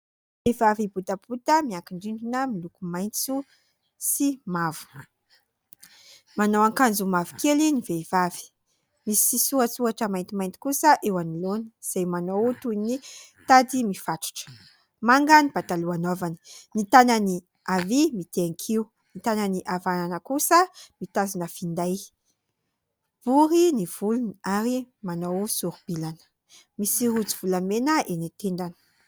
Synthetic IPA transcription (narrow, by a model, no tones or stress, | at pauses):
vevavibut̪ab̥ut̪əmiakiɳɖ͡ʐiɳɖ͡ʐinəmilukumajnt͡su | simavu̥ | manowaŋkand͡zumavu̥kelinivev̥avi̥ | misisuat͡suaʈ͡ʂəmajnt̪imajnt̪i̥kusəʔewanilonəz̥ajmanowt̪unit̪ad̪imifat̪u̥ʈ͡ʂə̥ | maŋɡənib̥at̪aluanovanə̥nit̪anəni | avimit̪eaŋkʰiu | nit̪ananiʔavananəkusəmit̪azinəfind̪aj | b̥uɾiniv̥uluniaɾimanowsuɾub̥ilanə̥ | misiɾut͡siv̥ulamenəʔenit̪eɳɖ͡ʐanə̥